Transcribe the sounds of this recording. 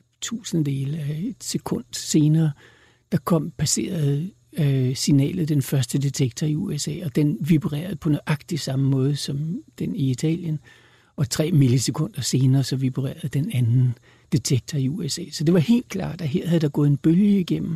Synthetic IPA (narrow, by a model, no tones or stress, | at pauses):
t͡sʰṵːsn̩d̥e̝ːləæe̝d̥se̝kʰɔ̽n̰d̥se̝ːnɐː | d̥ɑ̈kʰɒ̽m̰pʰæse̝̰ːɐð̩ˠ | sinɛ̰ːlð̞̩ˠd̥enfɶɐsd̥əd̥it͡sʰeɡ̥t͡sʰɒiuesɛ̰ːɒ̽d̥enʋib̥ʁɛ̰ːɐð̞̩ˠpʰɒ̽noʔɑ̈ɡ̥d̥isɑ̈məmɔ̽ːð̞ˠsɒ̽md̥eniit͡sʰɛ̰ːljən | ɒ̽t͡sʰʁɛ̰ːmiləse̝kʰɔ̽n̰d̥ɐse̝ːnɐːsɒ̽ʋib̥ʁḛːɐð̞ˠd̥enænn̩ | d̥it͡sʰeɡ̥̚t͡sʰɒiuesɛ̰ːsɒd̥e̝ʋɑ̈he̝̰ːld̥̚kʰlɑ̰̈ːd̥æɦeɐ̰hæð̩ˠd̥ɑ̈ɡ̥ɔ̽ːð̩ˠenb̥øljəiɡ̥em̰m̩